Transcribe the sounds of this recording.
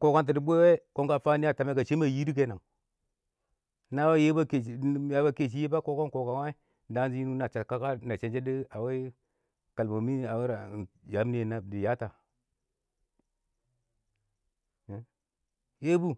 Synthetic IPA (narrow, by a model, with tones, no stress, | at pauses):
ko˨ka˦nt̬i˨di˨bʷe˦we˦ko˦ŋka˦fa˦ni˦a˦˨ta˨me˦ka˨t͡ʃe˦ma˨ji˦di˦k̬e˦na˨˦ | na˦we˦je˦ba˦ke˨˦ja˨˦ba˦ke˨t͡ʃ̬i˦je˦ba˦ko˦ko˦nko˨ka˨wa˦ | da˦nd͡ʒi˦ji˦nu˦na˨t͡ʃa˨tka˦ka˦na˨t͡ʃe˨nd͡ʒe˦di˦a˨we˦ | ka˨lma˨mi˦a˨we˦ɾa˨d͡ʒa˨˦mni˦e˨na˨di˨ja˦ta˨ | je˦bu˦